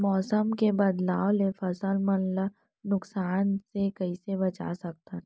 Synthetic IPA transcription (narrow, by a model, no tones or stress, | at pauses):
mɔːsəmkebɐd̪laːʋlefəsəlmənlə | nʊksaːnsekɐisebɐt͡ʃa̰sɐk̚t̪a